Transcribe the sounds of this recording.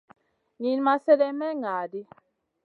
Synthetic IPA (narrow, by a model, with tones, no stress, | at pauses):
ɲi˨n˦ma˦sɛ˦lɛ˦mɛ˦ŋa˨di˦